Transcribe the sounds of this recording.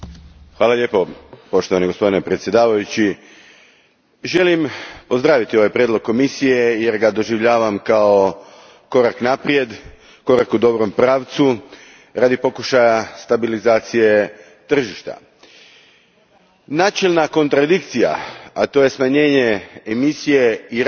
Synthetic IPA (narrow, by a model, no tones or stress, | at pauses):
xʋaːlaʎʲe̞po̞po̞ʃt̪oʋaniɡospo̞d̪inepɾet̪sje̞d̪aːʋajut͡ɕi | ʒe̞limpo̞zd̪ɾaːʋit̪ioʋajpɾjed̪lˠoɡ̚kːo̞misije̞je̞ɾɡad̪o̞ʒiʋʎaːʋamkao̞ | ko̞ɾaknapɾie̞d̪ | ko̞ɾakud̪o̞bɾo̞mpɾaːʋt̪su | ɾaːd̪ipo̞kuʃajast̪abilizaːt̪sije̞ | t̪r̩ʒiʃt̪a̰ | naːt͡ʃelnako̞nt̪ɾad̪ik̚t̪sija̰at̪o̞ːje̞smaɲe̞ːɲe̞emisije̞iɾ